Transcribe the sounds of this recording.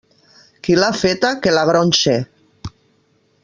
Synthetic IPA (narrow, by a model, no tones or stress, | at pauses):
kilafet̪akelaɣɾonʲʃe